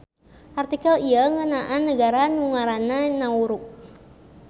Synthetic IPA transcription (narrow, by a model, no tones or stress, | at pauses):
ʔart̪ikaliəŋənaʔanːəɡaɾanuŋaɾananauɾuk̚